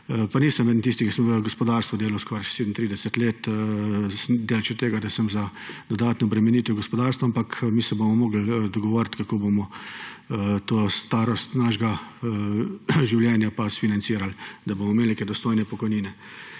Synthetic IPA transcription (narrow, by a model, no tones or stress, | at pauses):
paniːsəmʋɛd̪nt̪iːst̪ikisəmʋəɡɔspɔd̪aːɾst̪ʋud̪eːlawskɔːɾaseːd̪n̩t̪ɾiːd̪ɛsət̪leːt̪ | sd̪eːlt͡ʃɛt̪eːɡad̪asəmzad̪ɔd̪aːt̪nɔːbɾɛmɛniːt̪ʋɛɡɔspɔd̪aːɾst̪ʋaampakʰmiːsɛbomɔmoːɡl̩d̪ɔɡɔʋoːɾt̪kakoːbomɔ | t̪oːst̪aːɾɔst̪naʒɡa | ʒiwljɛːnjapasfinant̪siːɾald̪abomɔmelneːkɛd̪ɔst̪ojnɛpɔkɔjniːnɛ